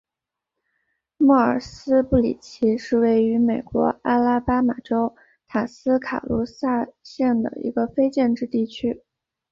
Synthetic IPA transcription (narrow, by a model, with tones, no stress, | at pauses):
mɔ˥˩ə̰˞˨˩sɹ̩˥pu˥˩lḭ˨˩t͡ɕʰi˧˥ʂɻ̩˥˧we˥˩ɪy˧˥me˨˩ɪkwɔ̰˧˥a˥la˥pa˥ma˨˩ʈ͡ʂo˥ʊ | t̪ʰa˨˩sɹ̩˥kʰa̰˨˩lu˧˥sa˥˧ɕjɛ˥˩nd̪ə̰˩ḭ˧˥ɡə˧fe˥ɪt͡ɕjɛ˥˧nʈ͡ʂɻ̩˥˧t̪i˥˩t͡ɕʰy˥